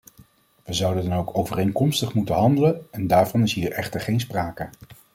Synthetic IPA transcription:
ʋəzʌwdədɑnowkowvərejŋkɔmstəχmutənɦɑndələnɛndaːɹvɑnɪsɦiːɹʔɛχtəɹχejnspraːkə

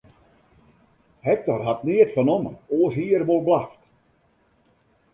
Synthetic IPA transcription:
hɛk̚tɔrɦatniətfɔnɔməoːəsɦiːərʋolˠblaxt

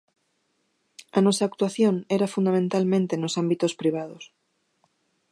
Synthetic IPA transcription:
anɔsaːk̚t̪waθjoŋɛɾafund̪amẽnt̪almẽnt̪enosambit̪ospɾiβ̞að̞os

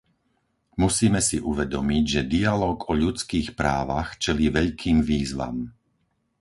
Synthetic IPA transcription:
musiːmɛsiʔuʋɛd̪ɔmiɟʒɛd̪ialɔːɡɔʎut͡skiːxpɾaːʋaxt͡ʃɛliːʋɛʎkʰiːmʋiːzʋa̰m

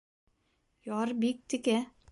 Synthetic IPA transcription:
jɒɾbik̚t̪ɘ̆kæ

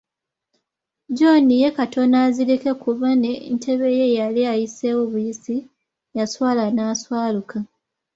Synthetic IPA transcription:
d͡ʒo̞nije̞kato̞naziɾike̞kʰuβanentʰe̞βe̞je̞jaliajise̞woβujisi | jaswaːlanaːswaːluka

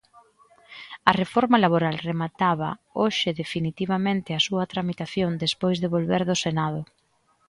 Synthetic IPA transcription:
ɐrefoɾmɐlaβoɾalremat̪aβɐ̰oʃɪðefinit̪iβamẽnt̪ɪasuɐt̪ɾamit̪aθjond̪espojzðeβolβeɾðʊsenað̞ʊ

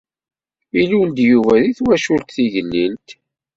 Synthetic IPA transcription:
ilund̪juvæðiθwæʃult̪θiʝəlːint̪

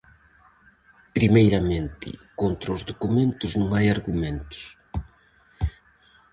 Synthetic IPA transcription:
pɾimejɾɐmẽnt̪ɪ̰kont̪ɾɐʊzðukumẽnt̪ʊznõŋajaɾɣumẽnt̪ʊ̥s

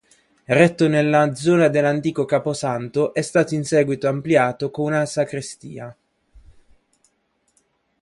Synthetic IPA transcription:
rɛt̪ːonelːad̪zɔːnad̪elːant̪iːkokaːposant̪oʔɛst̪aːt̪oinsɛːɡwit̪oampljaːt̪okounasakɾist̪ḭːa

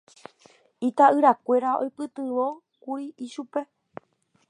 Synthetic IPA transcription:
it̪aʔɨɾakʷe̞ɾao̞̰jpɨt̪ɨʋo̞ | kuɾiiʃupe̞

